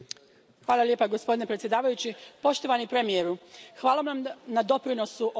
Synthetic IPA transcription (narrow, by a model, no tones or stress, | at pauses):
xʋaːlˠalje̞ːpaɡo̞spo̞d̪inepɾet̪ʲje̞d̪aːʋajut͡ɕipo̞ʃt̪o̞ʋanipɾe̞mijeɾuxʋaːlˠamnamnad̪o̞pɾino̞suʔo